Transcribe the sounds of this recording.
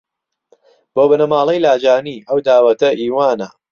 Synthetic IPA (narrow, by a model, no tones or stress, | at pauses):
b̥oːbɐnɐmaːlˠɐjlaːd͡ʒaːniːʔɐwd̪aːwɐt̪ɐʔiːwaːnɐ̰